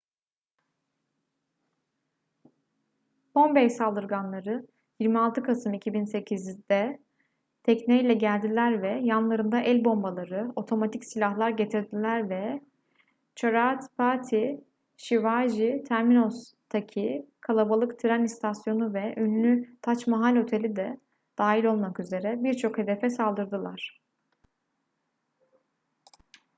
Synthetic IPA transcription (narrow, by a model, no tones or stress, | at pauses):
b̥o̞mbejsalˠd̪ɯɾɡanlˠaɾɯ | jiɾmialˠt̪ʰɯkʰasɯmicʰibinse̞cʰizd̪ɛ | t̪ʰɛcnejlʲɛɟælʲd̪ilʲæɾvɛjanlˠaɾɯnd̪aʔɛlʲbo̞mbalˠaɾɯo̞t̪ʰo̞mat̪ʰicsilʲaɦlˠaɾɟe̞t̪ʰiɾd̪ilʲæɾvɛ | t͡ʃʰaɾaat̪pʰat̪ʰi | ʃivaʒit̪ʰæɾmino̞s | t̪ʰacʰikʰalˠabalˠɯkt̪ʰiɾænist̪ʰasjo̞nuvɛʔynlʲyt̪ʰat͡ʃmaɦalʲo̞t̪ʰe̞lʲid̪ɛ | d̪̥aːɦilʲo̞lˠmakyze̞ɾɛbiɾt͡ʃʰo̞khe̞d̪e̞fɛsalˠd̪ɯɾd̪ɯlˠaɾ̥